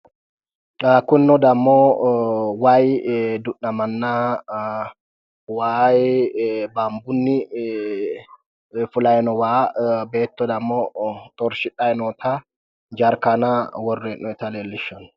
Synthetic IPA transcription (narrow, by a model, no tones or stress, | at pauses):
akʊnːɔd̪ɐmːoː | waːjd̪ʊʔːɐmɐnːa | waːj | baːmbʊnːɪ | fʊlɐjɛnɔwaːbeːt̪ːɔd̪ɐmːoːt̪ʼɔɾʃɪᶑʼɐjɛnɔt̪ʰa | d͡ʒɐɾkanawɔrːɛnːɔɛt̪ɐleːlːɪʃːɔn